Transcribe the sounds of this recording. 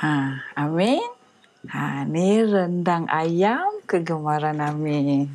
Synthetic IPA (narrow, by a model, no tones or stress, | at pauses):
aamin | anirəndaŋʔa̰jamkəɡəmaɾanamin